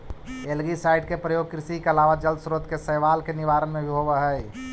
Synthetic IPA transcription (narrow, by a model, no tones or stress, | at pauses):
elɡisaɪɖkepɾəjoːɡ̚kɾɪsikeəlaːʋad͡ʒəld̪sɾoːd̪kesəːʋaːlkenɪʋaːɾənmẽbʱiɦoʋəɦəj